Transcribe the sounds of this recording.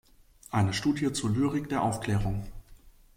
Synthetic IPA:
ʔaɪnəʃtuːdjət͡suːɐlyːʁɪkd̥eːɐʔaʊfkl̥ɛːʁ̞ʊŋ

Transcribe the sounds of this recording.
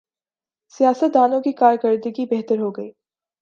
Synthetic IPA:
sijaːsət̪̚d̪aːnõkikaːɾkəɾd̪əɡibɛɦt̪əɾɦoːɡɐiː

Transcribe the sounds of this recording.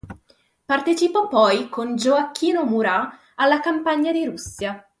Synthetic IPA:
part̪et͡ʃipɔpɔjkond͡ʒoakːiːnomuɾaː | lːakampaɲːad̪iɾusːja

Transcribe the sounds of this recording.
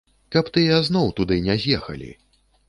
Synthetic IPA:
kɐpt̪ɨjaznɔwt̪ud̪ɨnʲɛzʲjɛxɐ̰lʲḭ

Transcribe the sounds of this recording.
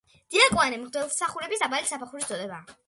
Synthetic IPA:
d̪̥iakʼwanɛmʁd̪ɛlˠsaχuɾɛbisabalisapʰaχuɾisd̪ɔd̪ɛbaː

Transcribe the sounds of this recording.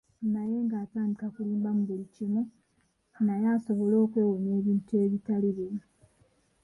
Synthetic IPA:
naje̞ːŋɡaːtaːndikakuliːmbamuβulicimu | najaːso̞βo̞lo̞ːkwe̞ːwone̞ːβiːntue̞βitaliβemu

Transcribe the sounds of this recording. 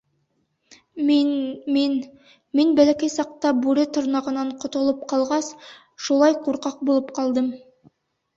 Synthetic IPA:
n | minbælækæjsɑq̚t̪ɑbʉɾɘt̪ŏɾnɑʁɤ̆nɑɴqŏt̪ŏlˠɤp̚qɑlˠʁɑs | ʃulˠɑjquɾqɑq̚bulˠɤpqɑlˠd̪ɤm

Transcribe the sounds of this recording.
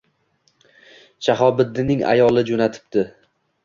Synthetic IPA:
ʃʰaɦɒbɪd̪ːɪnɪŋa̰jɒlˠɪd͡ʒonat̪ʰɪ̥p̚d̪ɪ

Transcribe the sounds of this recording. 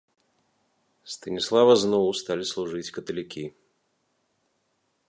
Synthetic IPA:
st̪ɐnʲislˠavɐznɔwst̪alʲislˠuʐɨt͡sʲkɐt̪ɐlʲikʲi

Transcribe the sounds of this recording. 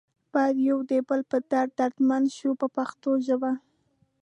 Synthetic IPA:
b̥ɑjad̪jawd̪ebəlpəd̪̥aɾd̪̚d̪aɾd̪manʃupəpaxt̪oʒəba

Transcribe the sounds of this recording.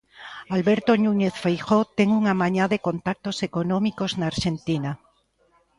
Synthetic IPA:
alβeɾt̪onũɲeθfejxot̪eŋuŋamãɲaðeko̞nt̪ak̚t̪osekonõmikoznaːɾʃent̪ina

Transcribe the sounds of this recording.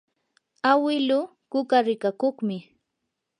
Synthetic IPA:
awɪlʊ | kʊkaɾɪkakoχmɪ

